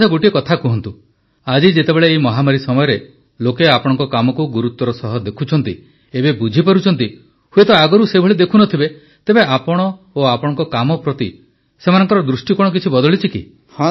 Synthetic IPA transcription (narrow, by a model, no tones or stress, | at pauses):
aɡoʈiekɔt̪ʰakuɦɔnt̪u | ad͡ʒid͡ʒet̪ebeɭeːimɔɦamaɾisɔmɔjɔɾe | lokeapɔɽɔ̃ŋkɔkamɔkuɡuɾut̪ːɔɾɔsɔɦɔd̪ekʰut͡ʃʰɔnt̪i | ebebud͡ʒʱipaɾut͡ʃʰɔnt̪i | huet̪ɔaɡɔɾusebʱɔɭid̪ekʰunɔt̪ʰibe | t̪ebeʔapɔɽ̃ɔ | oapɔɽ̃ɔŋkɔkamɔpɾɔt̪i | semanɔŋkɔɾɔd̪ɾusʈikɔɽ̃ɔk̬it͡ʃʰibɔd̪ɔɭit͡ʃʰikḭ | hã